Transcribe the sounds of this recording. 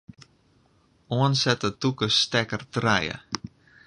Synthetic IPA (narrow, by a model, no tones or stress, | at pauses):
oənsɛtətukəstɛkərtrɛjə̰